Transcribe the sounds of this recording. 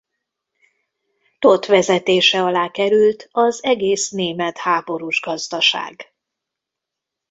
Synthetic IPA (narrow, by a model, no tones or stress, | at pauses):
t̪o̞t̪ʋɛzɛt̪eːʃɛɒlaːkɛɾylt̪ɒzɛɡeːsneːmɛt̪haːbo̞ɾuʒɡɒzd̪ɒʃa̰ːɡ